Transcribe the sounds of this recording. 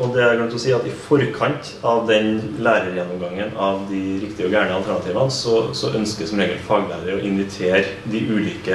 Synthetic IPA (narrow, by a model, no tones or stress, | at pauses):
ɔd̪ɛæɾɡʉnt̪ɔsiːɑt̪ɪfɔɾkʰɑnt̪ | ɑʋd̪ɛnlæːɾəɾjɛnːɔmɡɑŋːənɑʋd̪ɪɾɪkt̪ɪəɔɡæːɳəɑlt̪ʰæɾɳɑt̪iːʋɑnsɔsɔʔœnskəsɔmɾeːɡəlt̪ɪfɑːɡəlæ̰ːɾəɾɔʔɪnʋɪt̪ʰeːɾ | d̪ɪʔʉːliːkə